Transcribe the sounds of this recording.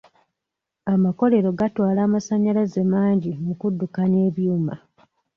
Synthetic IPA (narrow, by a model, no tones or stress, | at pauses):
amako̞le̞ɾo̞ɡatwaːlaːmasaɲːalazemaːɲɟimukudːukane̞ːβjuːma